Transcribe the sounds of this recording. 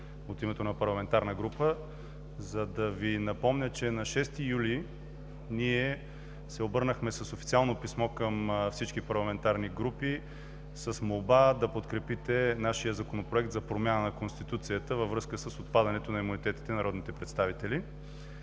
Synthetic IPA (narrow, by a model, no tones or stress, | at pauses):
ot̪imɛt̪onɐpɐɾlˠɐmɛnt̪aɾnəɡɾupə | zɐd̪ɐvinɐpɔmnʲət͡ʃɛnɐʃɛst̪ijuli | niɛ | sɛobɤɾnəxmɛsəsofi̥t̪sialˠnopismɔkəmfsit͡ʃkipɐɾlˠɐmɛnt̪aɾniɡɾupi | səsmolˠbad̪ɐpot̪kɾɛpit̪ɛnaʃijəzɐkonopɾoɛk̚t̪zɐpɾomʲjanənɐkonst̪it̪ut̪sijət̪əvɐvɾɤskəsəsot̪pad̪ɐnɛt̪onɐimunit̪ɛt̪i̥t̪ɛnɐɾʔɔd̪nit̪ɛpɾɛt̪st̪avit̪ɛli